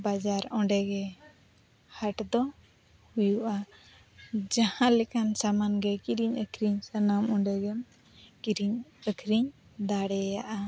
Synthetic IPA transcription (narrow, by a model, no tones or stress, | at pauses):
bad͡ʒaɾɔ̃ɖɛɡɛ | haʈd̪ɔ | hujuʔa | d͡ʒahãlɛkansamanɡɛkiɾiɲəkʰɾiɲsənamɔ̃ɖɛɡɛm | kiɾiɲəkʰɾiɲ | d̪aɽɛjaʔa